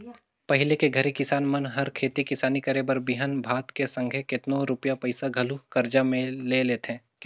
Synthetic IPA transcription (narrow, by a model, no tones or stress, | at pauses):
pɐɦɪlekeɡʱɐɾikɪsaːnmɐnɦɐɾkʰeːt̪ikɪsaːnikɐɾebəɾbɪɦənbʱaːt̪kesɐ̃ŋɡʱekɪt̪nõɾʊpjapɐɪsaɡʱɐlukɐɾd͡ʒamẽleleːt̪ɛ̃ | k